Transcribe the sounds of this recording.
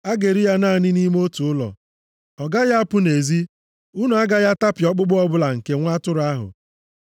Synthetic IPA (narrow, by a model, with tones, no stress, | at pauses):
a˦ɡe˨ɾi˦ja˦naː˦˨nɪ˦ni˦m˦o˦tu˨ʊ˦lɔ̰˨ | ɔ˨ɡa˦ja˦a˦pʊ˦ne˨zi˦ | u˦nu˨˦a˦ɡa˦ja˦ta˦pɪ˨ɔ˦k͡pʊ˦ɡ͡bʊ˦ɔ˦bʊ˦la˨ŋ̩˨ke˦ŋʷa˦tʊ˦ɾʊ˨a˦ɦʊ̰˨